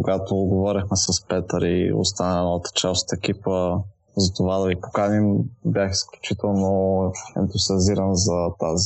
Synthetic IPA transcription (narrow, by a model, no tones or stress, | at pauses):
koɡat̪oɡovɔɾixmɛsɐspɛt̪əɾio̰st̪anəlinɔvət̪ə̥t͡ʃɛlˠst̪əɛk̟ipə | zɐt̪ovad̪ɐvipo̥kanimbjaxisklʲut͡ʃit̪ɛlˠnoɛ̰nt̪uziɐziɾənzɐt̪azi